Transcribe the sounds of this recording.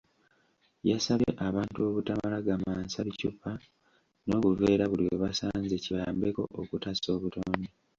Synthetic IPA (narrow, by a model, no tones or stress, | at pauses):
jasaβḛʔaβaːntuo̞βutamalaɡamaːnsaβicupːa | no̞ːkuveːɾaβulioβasaːnzeciβaaːmbe̞ko̞ʔokutaso̞ːβutoːne